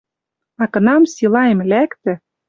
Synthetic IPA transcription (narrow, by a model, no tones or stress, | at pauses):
ɑkɤ̆nɑmsilɑjemlækt̪ɘ̆